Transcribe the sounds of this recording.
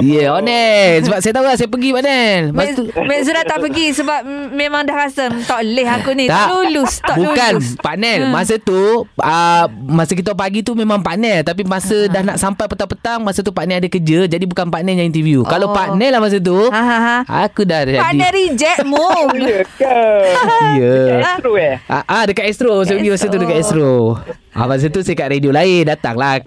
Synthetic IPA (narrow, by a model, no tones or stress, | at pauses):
jəɔnɛssəbap̚sajat̪aulaʔsajap̬əɡipaʔnɛlmamɛʔs̬uɾat̪ːaʔpəɡisəbap̚mẽmaŋdahkasənt̪ɔʔlɪɦakunĩt̪alulust̪ɔbuukanspanɛlmasət̪uəmasək̬it̪apaɡit̪umemãŋpanɛlt̪apimasədahnaʔsampajpət̪apət̪aŋmasət̪upaʔnɛadakəd͡ʒəd͡ʒadibukanpanɛjaŋint̪iviukalapaʔnɛlahmas̬ət̪̬u | a̰kudahd͡ʒaadiɛɾid͡ʒɛʔ̚moijəka | ijəɾoɛʔadəkat̪ɛst̪ɾos̬oɡimasət̪udəkat̪ɛst̪ɾo | ʔa̰mas̬ət̪usakaʔ̪ɾediolaɪndat̪a̰ŋlah